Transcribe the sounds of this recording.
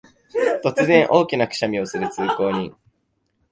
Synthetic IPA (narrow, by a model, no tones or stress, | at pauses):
t̪o̞t͡sɨzẽ̞ɰ̃ʔo̞ːkʲinakɯ̟̥ɕamʲiosɨɾɯ̟t͡sɨːko̞ːɲ̟ĩ